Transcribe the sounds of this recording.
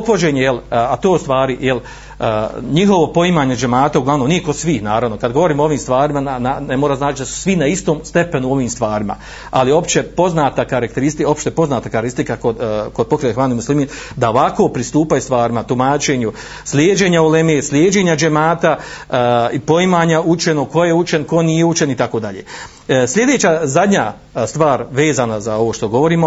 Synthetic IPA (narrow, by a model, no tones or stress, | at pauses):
opfod͡ʑe̞ːɲejelat̪o̞ːust̪ʋaːɾijelː | ɲiɦo̞ʋopo̞imaːɲed͡ʒemaːt̪auɡlˠaʋno̞mnijekosʋiːhnaːɾaʋno̞kad̪ɡo̞ʋo̞ɾiːmoo̞ʋiːmst̪ʋaːɾimanananmoɾaznaːt͡ʃd̪asu̥sʋinaist̪o̞ːmst̪e̞pe̞nuo̞ʋiːmst̪ʋaːɾima̰ | alio̞pt͡ʃe̞po̞znaːt̪akaɾak̚t̪eɾist̪io̞pʃt̪epo̞znaːt̪akaɾist̪ikakod̪kod̪po̞kɾeexʋaːnimuslimiːn | d̪ao̞ʋako̞ːpɾist̪uːpajust̪ʋaːɾimat̪umaːt͡ʃe̞ɲu | sljeːd͡ʒe̞ːɲaolemeːslʲjeːd͡ʒe̞ːɲad͡ʒemaːt̪a | ipo̞imaːɲaʔut͡ʃe̞no̞ko̞je̞ut͡ʃenko̞nijeut͡ʃe̞nit̪ako̞ːd̪aʎḛː | sʎʲe̞d̪e̞ːt͡ɕazad̪ɲa | st̪ʋaːɾʋeːzaːnazao̞ʋoːʃt̪o̞ɡo̞ʋo̞ɾiːmo